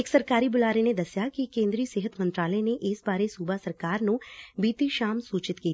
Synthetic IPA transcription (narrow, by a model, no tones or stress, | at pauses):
ɪksɐɾkaːɾibʊlaːɾened̪ɐsjakikẽːnd̪ɾiːəseːɦət̪mɐ̃nt̪ɾaːləneʔɪsbaːɾesuːbasɐɾkaːɾnõbiːt̪iʃaːmsuːt͡ʃɪt̪kiː